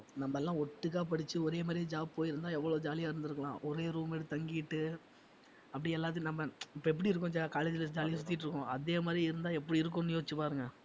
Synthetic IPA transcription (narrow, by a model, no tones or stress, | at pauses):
nɐmːɐɛlːãːɔʈːɯk̬ːaːpɐɽɪt͡ʃːɯɔɾeːmaːd̪ɾĩd͡ʒaːb̚poːjɪɾɯnd̪aːɛʋːɐɭoːd͡ʒaːlɪjaːɪɾɯnd̪ɪɾɯkːɐɭã̰ːʔɔɾeːɾuːmɪɽɯt̪ɐŋɡɪjɪʈːɯ | ɐpːɐɽɪɛlːaːt̪̬ːɪj̃nɐmːɐɪpːoːɛpːɐɽiɪɾɯk̬ːʊ̃d͡ʒaːkaːleːd͡ʒɪlɐd͡ʒaːlɪjsʊt̪ːɪjɪʈːɪɾɯkːõɐðeːmaːd̪ɾiɪɾɯnd̪aːɛpːɐɽiɪɾɯk̬ːõnːɪjoːɪt͡ʃːɯpaːɾɯŋɡɐ